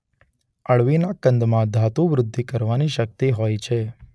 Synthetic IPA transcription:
əɭʋinakənd̪mãd̪ʱat̪ũʋɾʊd̪ʱːikəɾʋaniʃək̚t̪iɦojt͡ʃʰe

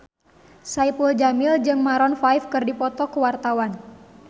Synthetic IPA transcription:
saipuld͡ʒamɪld͡ʒɨŋmaɾɔnfajfkɨrdipɔt̪ɔkəwart̪awan

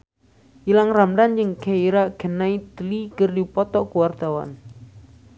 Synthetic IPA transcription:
ʔilaŋramɾand͡ʒəŋkeiɾaɡənait̪əlikərdipɔt̪ɔʔkuwart̪awa̰n

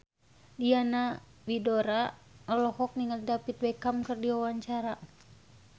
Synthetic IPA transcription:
diana | bidoɾaəlɔhɔk̚niŋalidapit̪̚wɛkamkɨrdiwawaɲt͡ʃaɾa

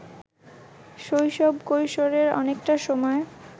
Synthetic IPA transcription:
ʃojʃɔbkojʃoɾeɾɔ̰nekʈaʃɔmɔe

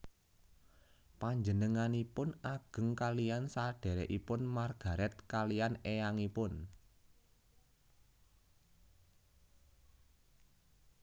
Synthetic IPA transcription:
paɲd͡ʒənəŋanipʊnaɡ̥ə̤ŋkalijansaɖ̥e̤ɾɛʔipʊnmarɡ̥ä̤ɾɛt̪̚kalijanejaŋipʊn

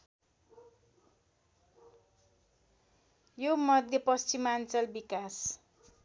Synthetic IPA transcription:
jomʌd̪ʱjʌpʌst͡simant͡sʌlbikas

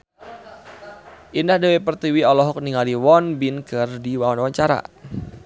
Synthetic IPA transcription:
ʔindahdewepərt̪iwiɔlɔɦɔk̚niŋaliwɔnbinkərdiwawanwaɲt͡ʃaɾa̰

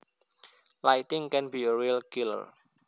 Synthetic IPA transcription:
lajt̪ɪŋkɛnbiəɹilkilə̰r

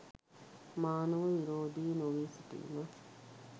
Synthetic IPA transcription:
maːnɐʋɐʋiɾoːd̪iːnoʋiːsiʈḭna

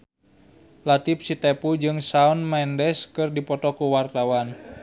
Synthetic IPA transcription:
lat̪ip̚sit̪epud͡ʒɨŋsaunmɛndɛskɨrdipɔt̪ɔkuwart̪awan

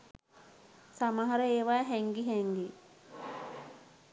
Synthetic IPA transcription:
saməɦɐɾəeːʋaːɦɛŋɡiɦɛŋɡi

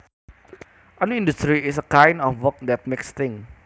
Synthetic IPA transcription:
ʔɔnĩndust̪ɾiɪs̬əkãjndɔfwək̚d̪ɛt̪̚mɪkst̪ɪ̃ŋ

